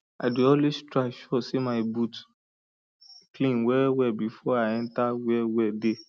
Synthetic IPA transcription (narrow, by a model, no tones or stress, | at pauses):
adeɔlestɾaʃɔsimaɪbut | klĩnwɛwɛbifɔaɛ̃ntawɛwɛde